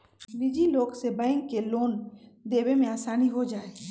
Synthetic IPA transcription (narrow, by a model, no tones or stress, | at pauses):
bɪd͡ʒiloːksebə̃ɪ̃ŋkːeloːnd̪eːbemẽaːsaːniɦod͡ʒaːe